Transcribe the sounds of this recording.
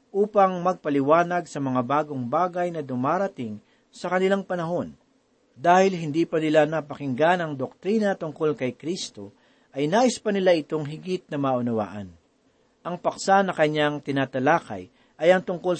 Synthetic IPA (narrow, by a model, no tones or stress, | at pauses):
ʔuːpɐŋmɐɡ̚pɐlɪwaːnɐɡsɐmɐŋabaːɡoŋbaːɡɐjnɐd̪ʊmaːɾɐt̪ɪŋ | sɐkɐnɪlaŋpɐnɐɦo̞n | d̪aːhɪlɦɪnd̪iːpɐnɪlanɐpɐkɪŋɡanɐŋd̪ok̚t̪ɾiːnɐt̪ʊŋko̞lkɐjkɾist̪o̞ | ʔɐjnaːʔɪspɐnɪlaʔɪt̪o̞ŋɦɪɡɪt̪̚nɐmaːʔʊnɐwa̰ːʔɐ̰n | ʔɐŋpɐksanɐkɐɲːaŋt̪ɪnaːt̪ɐlaːkɐ̰j | ʔɐjɐŋt̪ʊŋko̞l